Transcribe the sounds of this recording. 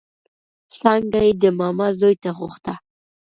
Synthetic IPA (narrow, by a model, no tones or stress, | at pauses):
saŋɡajed̪əmamazojt̪aʁʊχt̪a